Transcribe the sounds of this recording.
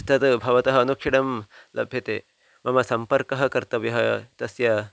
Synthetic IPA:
st̪ɐt̪bʱɐʋɐt̪ɐɦɐɐnukʂiɽɐmlʔɐ̰bʱjɐt̪eː | mɐmɐsɐmpɐɾkɐɦɐ̆kɐɾt̪ɐʋjɐɦɐt̪ɐsjɐ

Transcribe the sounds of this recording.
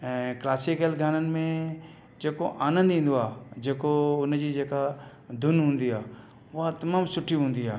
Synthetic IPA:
ɛ̃klaːsɪkəlɡʱaːnənɪ̆mẽ | d͡ʒeːkoʔaːnə̃nd̪ĩːn̆d̪oaːd͡ʒeːkoʊnd͡ʑid͡ʒeːka | d̪ʱʊnɦũːnd̪iaː | ʋʊɦat̪ɐmaːmsʊʈʰiɦũːnd̪iaː

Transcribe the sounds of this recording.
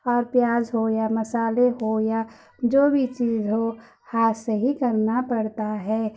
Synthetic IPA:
ɔːɾpjaːd͡ʒɦojaməsaːleɦoja | d͡ʒoːbʱit͡ʃiːzɦo | haːseɦikəɾnapəɽt̪aɦɛː

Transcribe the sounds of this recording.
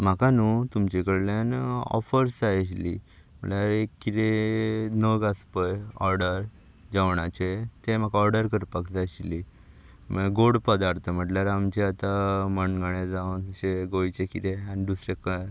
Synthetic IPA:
m̤akanut̪umt͡ɕekəɽlenɔ̰fəɾsd͡zajɕli | m̤ə̰ʈljaɾekːit̪enəɡəspəjɔɾɖəɾ | d͡zaʋɳat͡ɕet̪em̤akaɔɾɖəɾkəɾpakd͡zajɕli | məɡoɽpəd̪aɾt̪ʰəm̤əʈljaɾamt͡ɕẽat̪aməɳɡəɳed͡zanɕeɡojt͡ɕekit̪eanid̪usɾekə

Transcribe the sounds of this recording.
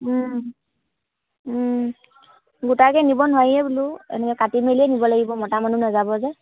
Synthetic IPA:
ɡutakɛnibɔnʊajɛbuluɛ̰nɛkɛkatimeliɛnibɔlaɡibɔmɔtamanunazabɔzɛ

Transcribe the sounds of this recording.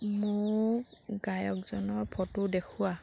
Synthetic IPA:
mʊ | ɡajɔk̚zɔnɔɹpʰɔtʊdekʰʊwa

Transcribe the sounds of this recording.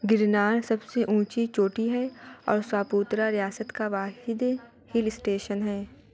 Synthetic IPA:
ɡɪɾnaːɾsɐbseʔũːt͡ʃit͡ʃoːʈiɦɛɔːɾswaːpuːt̪ɾaɾɪjaːsət̪kaʋaːɦɪd̪ | hɪlsʈeːʃənɦɛː

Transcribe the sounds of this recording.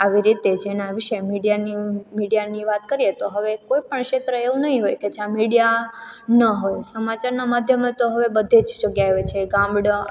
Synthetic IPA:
aʋiɾit̪ed͡ʒenaʋiʃemiɽijanimiɽijaniʋat̪kəɾijet̪oɦəʋekojpəɳkʃet̪ɾəeʋũnəɦĩɦojked͡ʒjãmiɽijanəɦojsəmat͡ʃaɾnamad̪ʱjəmet̪oɦəʋebəd̪ʱed͡ʒd͡ʒoɡjaeɦojt͡ʃʰeɡãmbɽə

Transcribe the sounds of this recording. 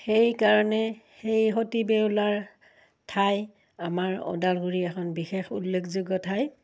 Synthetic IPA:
xejkaɹɔnɛxejɦotibewlaɹ | tʰaj | amaɹɔ̰dalɡuɹiɛxʰɔnbixexulːekʰzuɡɔtʰaj

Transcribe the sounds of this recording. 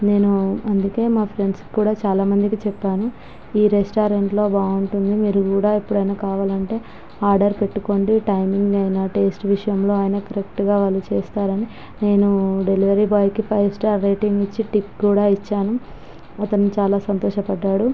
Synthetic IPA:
ne̞ːnuɐnd̪uke̞ːmaːpʰɾe̞ɳɖski̥kuːɽaːt͡ʃaːlaːmɐnd̪ikit͡ʃɛpːaːnu | iːɾesʈaːɾeɳʈlo̞ːbaːuɳʈund̪imiːɾukuːɽaːipːuɽɐjnɐkaːʋaːlɐɳʈe̞ː | aːɾɖɐɾpe̞ʈːuko̞ːɳɖiʈɐjmiŋɡɐjnaːʈe̞ːsʈʋiʂɐjɐmlo̞ːaːjnɐkɐɾek̚ʈɡaːʋaːlːut͡ʃeːst̪aːɾɐni | ne̞ːnuɖe̞liʋɐɾibaːjkipʰɐjʋsʈaːɾːeːʈiŋɡit͡ʃːiʈipkuːɽaːit͡ʃːaːnu | ɐt̪ɐnut͡ʃaːlaːsɐnt̪ɔːʃɐpɐɖːaːɽu

